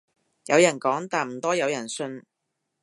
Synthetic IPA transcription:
jɐ˨˧wjɐ˨˩nkɔː˨˥ŋt̪aː˨˩nm̩˨˩t̪ɔː˥jɐ˨˧wjɐ˨˩nsɵ˧n

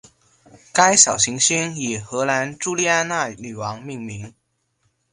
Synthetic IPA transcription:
ka˥ɪɕjɑ˨˩ʊɕi˧˥ŋɕy˥ni˨˩xɤ˧˥la˧˥nʈ͡ʂu˥li˥˧a˥˧na˥˩ny˨˩wɑ˧˥ŋmi˥˩ŋmi˧˥ŋ

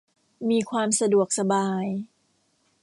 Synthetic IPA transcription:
miː˧kʰwaː˧msa˧du˨˩ək̚sa˧baː˧j

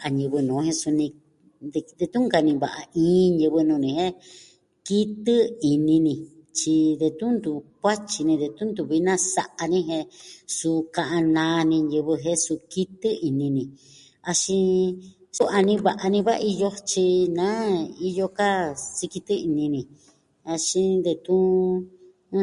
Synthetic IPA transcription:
ʔa˧ɲɨ̃˧βɨ˧nũː˨˦hẽ˧su˧nĩ˧ | d̪e˧d̪e˧t̪ũ˦ŋka˧nĩ˧βa̰˨ʔa˧ĩː˦ɲɨ˧βɨ˧nũ˧nĩ˧hẽ˦ | ki˦t̪ɨ˦i˨nĩ˧nĩ˧t͡ʃi˧d̪e˧t̪ũ˦nd̪u˨˧kʷa˦t͡ʃi˧nĩ˧ðe˧t̪ũ˦nd̪u˨βi˦nã˦sa˧ʔa˧nĩ˦ɦẽ˧su˧kã˧ʔã˧nãː˧nĩ˧ɲjɨ˧βɨ˧ɦẽ˦su˧ki˦t̪ɨ˦i˧nĩ˧nĩ˧ | a˧ʃĩ˧ | su˦ʔa˧nĩ˦βa˨˧ʔa˧nĩ˧βa˦˧i˧jo˧t͡ʃi˧nã˨˦i˧jo˧ka˦si˧ki˧t̪ɨ˦i˧nĩ˧nĩ˧ | a˧ʃĩ˧nd̪e˧t̪ũ˦

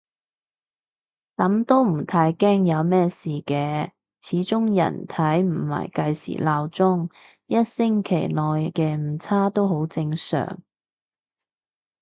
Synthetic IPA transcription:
k̪ɐ˨˥mt̪o˥wm̩˨˩t̪ʰaː˧jkɛː˥ŋjɐ˨˧wmɛː˥siː˨kɛː˧ | t͡sʰiː˨˥t͡sʊ˥ŋjɐ̰˨˩nt̪ʰɐ˨˥jm̩˨˩mɐ̰˨˩jkɐ˧jsḭː˨˩laː˧wt͡sʊ˥ŋ | jɐ˥t̚sɪ˥ŋkʰe˨˩jlɔː˨jkɛː˧m̩˨˩t͡sʰaː˥t̪o˥wɦo˨˥wt͡sɪ˧ŋsœ̰ː˨˩ŋ

